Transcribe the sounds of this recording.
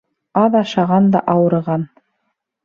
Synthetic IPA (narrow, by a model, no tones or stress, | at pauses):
ɑðɑʃɑʁɑnd̪ɑ̰ʔɑwɤ̆ɾʁɑn